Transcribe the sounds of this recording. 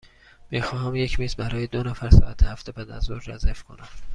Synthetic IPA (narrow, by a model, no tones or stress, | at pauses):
m̥ixɒːɦæmje̞cʰmiːzbæɾɒːjed̪onæfæɾsɒ̰ːʔæt̪ʰehæft̪ebʰæd̪æzoɾd͡ʒæzæfkʰo̞næm